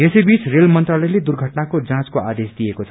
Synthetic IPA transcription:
esʌjbit͡srelmʌnt̪ralʌjled̪urɡʱʌʈnakod͡zãt͡skoʔad̪esd̪ijekot͡sʰʌ

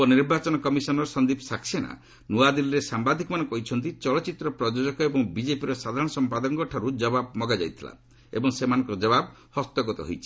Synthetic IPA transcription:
ɔniɾbat͡ʃɔnɔkɔmisɔnɔɾɔsɔnd̪ipɔsaksena̰ | nuad̪ilɾesambad̪ʱikɔmanɔ̃ŋkɔɦit͡ʃʰɔnt̪it͡ʃɔlɔt͡ʃit̪ɾɔpɾɔd͡ʒod͡ʒɔkɔebɔŋbid͡ʒepiɾɔsad̪ʱaɾɔɽ̃ɔsɔmpad̪ɔŋɡɔʈʰaɾud͡ʒɔbab̚mɔɡad͡ʒa̰jt̪ʰila̰ | ḛbɔŋsemanɔ̃ŋkɔɾɔd͡ʒɔbab | hɔst̪ɔɡɔt̪ɔ̰ɦo̰jt͡ʃʰi̥

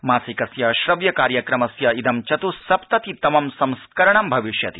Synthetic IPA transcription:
maːsikɐsjɐʃɾɐʋjɐkaːɾjɐkɾɐmɐsjɐid̪ʱɐmt͡ʃɐt̪usɐpt̪ɐt̪it̪ɐmɐmsɐ̃mskɐɾɐɳɐmbʱɐʋiʃjɐt̪i

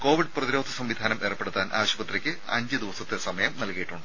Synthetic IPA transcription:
ko̞ːʋiɖprɐðiɾo̞ːd̪ʱɐsɐmʋid̪ʱaːnɐmʔe̞ːrɐpːe̞ɽut̪ːaːnʔa̰ːʋɕɐbɐt̪rikʲːɨ | ɐ̰ɲd͡ʑɨd̪iʋɐsɐt̪ːesɐmɐjɐmnɐlkijiʈːuɳɖɨ

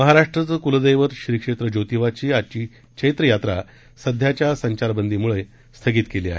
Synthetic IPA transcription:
məɦaɾaʂʈɾət͡səkuləd̪əjʋəɾɕɾiːkʂet̪ɾəd͡ʑot̪iʋat͡ɕiːat͡ɕiː | ket̪ɾəjat̪ɾa | səd̪ʱjat͡ɕjasəɲt͡ɕaɾbənd̪ʱiːmuɭej | st̪ʰəɡiːt̪keliːa̰ɦḛ

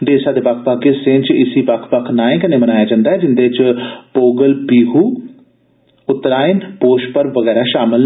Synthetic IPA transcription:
d̪eːsaːd̪eːbəkʰpaːɡesẽːnt͡ʃɪsiːpakʰpəkʰnaːẽːkəneːmənaːjaːd͡ʒãːnd̪aːɦɛːd͡ʒɪnd̪eːt͡ʃpoːɡəlpiːɦuː | ʊt̪ɾaːɪnpoːʃpəɾʋəɡɛːɾaːʃaːmɪl

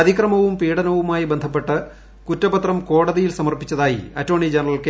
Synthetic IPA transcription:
ɐðikrɐmɐʋumpiːɽɐnɐʋumaːjibend̪ʱɐp̬ːe̞ʈːɨ | kutːɐbɐt̪rɐmko̞ːɽɐðijilsɐmɐrpit͡ɕːɐðaːjḭɐtːo̞ːɳid͡ʑɐnrɐlke

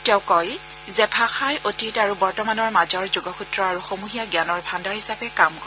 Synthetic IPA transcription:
tɛwkɔj | zɛpʰaxajʔotitaɹubɔɹtɔmanɔɹmazɔɹzuɡɔxʰutɹɔaɹuxomuɦijaɡjanɔɹbʱandaɹhisapɛkamkɔ

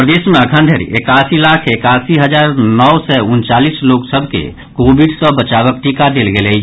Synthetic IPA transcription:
pɾəd̪eːsmẽəkʰə̃nd̪ʱeɾ̰ḛkaːsilaːkʰekaːsiɦəd͡ʒaːɾnɔwsɛʊnt͡ʃaːliːsloːksəbʱkḛ | koːbiɖsɔbət͡ʃaːʋək̚ʈiːkad̪eːlɡeːləi

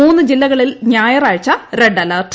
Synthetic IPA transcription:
uːnːɨd͡ʑilːɐɣɐɭilɲaːjɐraːɻt͡ɕːɐreɖɐlɐːʈ

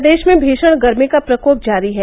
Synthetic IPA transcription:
d̪eːʃmẽbʱiːʃəɽ̃ɡɐɾmikapɾɐkoːp̚d͡ʒaːɾiɦɛː

